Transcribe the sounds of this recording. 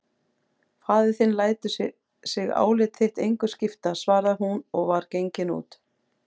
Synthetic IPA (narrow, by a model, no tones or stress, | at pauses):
faːðɪθɪnlaːjt̪ʏ | sɪɣa̰ːwlɪt̪θeht̪ejŋkʏscɪft̪asvaːɾðaɦunɔɣvaɾcejɲcɪnṵːt̪